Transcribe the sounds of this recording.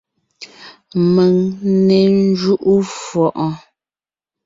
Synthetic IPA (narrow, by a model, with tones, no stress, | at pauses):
mə˨ŋne˨n˦d͡ʒu˦ʔu˦fwɔ˨ʔɔ˨